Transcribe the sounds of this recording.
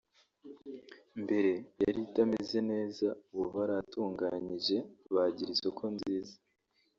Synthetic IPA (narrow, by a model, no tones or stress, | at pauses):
mbe̞ɾe̞jaɾitamize̞ne̞ːzaβuβaɾatuːŋɡaɲiʒe̞βaɟiɾiso̞kʰo̞nziːza